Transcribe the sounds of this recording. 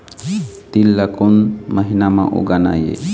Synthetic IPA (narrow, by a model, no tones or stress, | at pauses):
t̪ilːakonməɦinamã̰ʔṵɡana̰jḛ